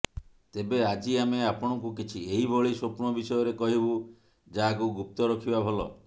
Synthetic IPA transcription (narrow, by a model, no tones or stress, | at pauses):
t̪ebead͡ʒiameapɔɽ̃ɔŋkukit͡ʃʰieɦibʱoɭiswopuɾɳɔbisɔjɔɾekɔɦibu | d͡ʒaɦakuɡup̚t̪ɔɾɔkʰibabʱɔlɔ̰